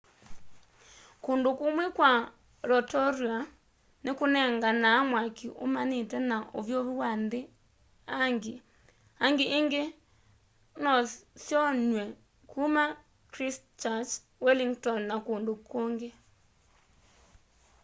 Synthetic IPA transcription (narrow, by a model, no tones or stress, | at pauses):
koːndokumwekwa | ɾɔtɔɾia | nekonɛŋɡanaːmwakiʔo̰manitɛnaʔo̰vjoβiwande | aŋɡe | aŋɡeʔːŋɡe | nɔsjɔɲwɛ | kʰuma | kɾis | t͡ʃat͡ʃ | wɛliŋɡtɔnnakoːndokoŋɡe